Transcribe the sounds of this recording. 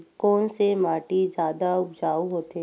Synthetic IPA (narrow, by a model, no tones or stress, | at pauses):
kɔːnsemaːʈid͡ʒjaːd̪aʊbd͡ʒaːuɦoːt̪e